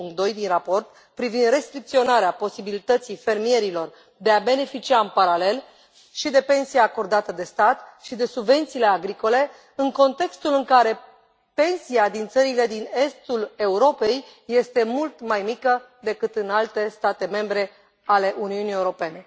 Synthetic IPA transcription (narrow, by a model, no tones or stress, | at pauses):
uŋkt̪̚d̪o̞jd̪inrapo̞rt̪ | pɾivind̪re̞st̪ɾik̚t̪sio̞naɾeapo̞sibilit̪ət̪sijfe̞rmije̞ɾilo̞r | d̪e̞abe̞ne̞fit͡ʃiaɨmpaɾale̞l | ʃid̪e̞pe̞nsijeako̞rd̪at̪əd̪e̞st̪at̪ʃid̪e̞subve̞nt̪siːle̞aɡɾiko̞le̞ | ɨŋko̞nt̪e̞kst̪ulɨŋkaɾe̞ | pe̞nsiad̪int̪səɾile̞d̪ine̞st̪ule̞uɾo̞pe̞jːe̞st̪e̞mult̪majmikə | d̪e̞kɨt̪ɨnalt̪e̞st̪at̪e̞me̞mbɾe̞ | ale̞ʔuniunieuɾo̞pe̞ne̞